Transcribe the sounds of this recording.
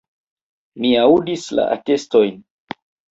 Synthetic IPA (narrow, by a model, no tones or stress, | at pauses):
miaudisla̰ʔa̰te̞sto̞jn